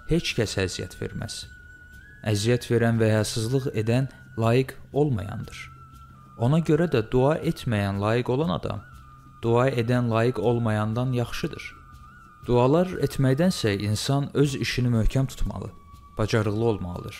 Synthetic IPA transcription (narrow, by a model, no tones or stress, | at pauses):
he̞t͡ʃcʰæsæzijæ̰t̪ʰv̥e̞̰ɾmæ̰z̥ | æzijæt̪ʰve̞ɾænvæhɑsɯzlˠɯɣe̞d̪æn | lˠɑːjiɡo̞lˠmɑ̰jɑ̰nd̪ɯɾ̥ | o̞nɑɟø̞ɾæd̪æd̪uɑʔe̞t̪ʰmæjænlˠɑːjiɡo̞lˠɑnɑ̰d̪ɑ̰m | d̪̥uɑe̞d̪ænlˠɑːjiɡo̞lˠmɑjɑnd̪ɑnjɑχʃɯd̪ɯɾ̥ | d̪̥uɑlˠɑɾet̪ʰmæjd̪ænsæinsɑnø̞ziʃinimøhcʰæmt̪ʰu̥t̪ʰmɑ̰lˠɯ̰ | b̥ɑd͡ʒɑɾɯɣlˠɯo̞lˠmɑlˠɯ̰d̪ɯɾ̥